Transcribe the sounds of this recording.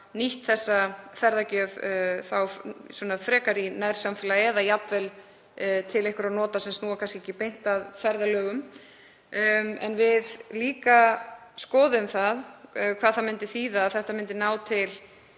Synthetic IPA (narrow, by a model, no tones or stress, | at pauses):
niht̪θɛsːafɛɾðacœvθawswɔːnafɾɛːkaɾinajɾ̥samfɪlaɛːðajapvɛl | t̪ʰɪlejhkʏɾaðnɔːt̪asɛmsnuːɣakʰanskecːɪpejn̥t̪aðfɛɾðalœːɣʏm | ɛ̰nvɪðliːkaskɔːðʏmθaðkʰvaːðθamɪnt̪ɪθiːðaðθɛht̪amɪnt̪ɪnaːwt̪ʰɪl